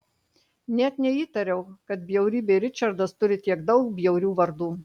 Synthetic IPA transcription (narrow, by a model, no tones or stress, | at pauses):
nʲɛt̪nʲɛiːt̪ɐɾʲɛʊkɐt̪̚bʲjɛʊɾʲiːbʲeɾʲɪt͡ʃʲɐɾd̪ɐst̪ʊɾʲɪt̪ʲiɛɡd̪ɒʊkbʲjɛʊɾʲuːʋɐɾd̪uː